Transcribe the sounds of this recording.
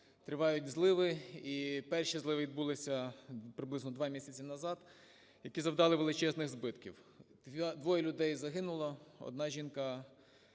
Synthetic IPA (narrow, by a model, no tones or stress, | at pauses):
t̪ɾɪʋɑjʊt̚ʲzlˠɪʋɪipɛrʃizlˠɪʋɪʋʲid̪̚bulˠɪsʲɐpɾɪblɪznɔd̪ʋɑmʲisʲɐt͡sʲinɐzɑt̪ | jɐkʲizɐwd̪ɑlˠɪʋelˠɪt͡ʃɛznɪɣzbɪt̪kʲḭwd̪̥ʋʲd̪ʋɔjɛlʲʊd̪ɛjzɐɦɪnʊlˠɐɔ̰d̪̚nɑʒʲinkɐ